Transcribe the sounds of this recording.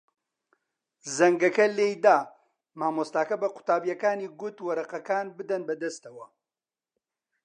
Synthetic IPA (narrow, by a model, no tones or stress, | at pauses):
zɐŋɡɐkɐleːjd̪aː | maːmost̪aːkɐbɐqʊ̥t̪aːbijɐkaːniːɡʊt̪wɐɾɐqɐkaːnbɨd̪ɐnbɐd̪ɐst̪ɐwɐ